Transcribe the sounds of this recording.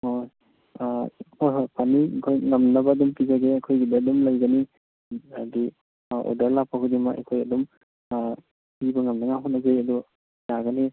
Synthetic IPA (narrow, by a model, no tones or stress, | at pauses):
oj | ppʰanikʰojŋamnabadumpizaɡeakʰojɡidaːdɔmlajɡani | adi | ɔ̰dɐɾlapʰakʰudimaʔḛkʰojɐ̰dɔm | pibaŋamnaŋaɦɔnːazejɐdɔ | jaɡani